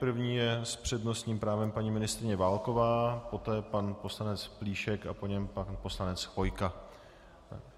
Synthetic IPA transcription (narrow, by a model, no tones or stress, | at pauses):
pr̩vɲiːjɛspr̝̥ɛdno̞st̪ɲiːmpɾaːvɛmpaɲiːmɪnɪst̪ɾɪɲɛvaːlko̞vaːpo̞t̪ɛːpanpo̞slanɛt͡spliːʃɛka̰po̞ɲɛmpanpo̞slanɛt͡svo̞jka